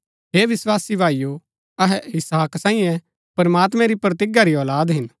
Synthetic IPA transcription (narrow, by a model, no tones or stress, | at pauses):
ɦeːʋɪswaːsibʱaːijo | ɐɦɛɪsaːksãːĩjɛ̃ | pɐɾɐmaːt̪mɛ̃ɾipɾɐt̪ɪɡaɾiɔːlaːd̪ɦɪn